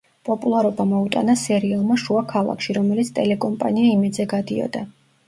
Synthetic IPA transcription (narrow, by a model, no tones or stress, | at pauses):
pʼɔpʼulˠaɾɔbamɔut̪ʼa̰nasɛɾiɛlˠmaʃuakʰalˠa̰kʃiɾɔmɛlit̪sʰt̪ʼɛlɛkʼɔmpʼa̰niaimɛd̪zɛɡad̪iɔ̰d̪a